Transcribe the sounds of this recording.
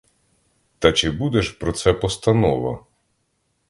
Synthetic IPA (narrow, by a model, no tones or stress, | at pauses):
t̪ɐt͡ʃɪbud̪ɛʃpɾɔt̪sɛpɔst̪ɐnɔʋɐ̰